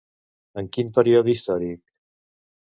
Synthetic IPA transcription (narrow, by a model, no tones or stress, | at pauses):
əŋkimpəɾioðist̪ɔɾik̚